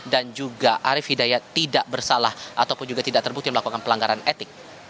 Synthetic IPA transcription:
dand͡ʒuɡaʔaɾɪfhidajat̪idaʔbərsalahʔat̪awpʊnd͡ʒuɡat̪idaʔ̚t̪ərbuk̚t̪ianməlakukanpəlaŋɡaɾanet̪ɪk̚

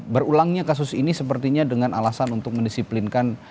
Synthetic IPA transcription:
bərulaŋɲakasʊsinisəpərt̪iɲadəŋanʔalasanunt̪ʊk̚məndisiplinkan

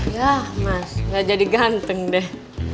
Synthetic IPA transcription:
jahmasŋɡad͡ʒadiɡant̪əŋdɛh

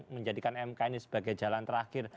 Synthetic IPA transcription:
məɲd͡ʒadikanɛmkainisəb̥aɡajd͡ʒalant̪əɾakɪr

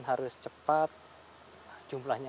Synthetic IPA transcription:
nɦaɾʊst͡ʃəpat̪̚ | d͡ʒumlahɲa

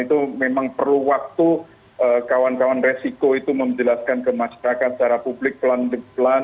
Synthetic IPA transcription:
it̪umemaŋpərluwak̚t̪u | əkawankawanresikoit̪uməmd͡ʒəlaskankəmaʃaɾakat̪sə̥t͡ʃaɾapublɪk̚plandəplan

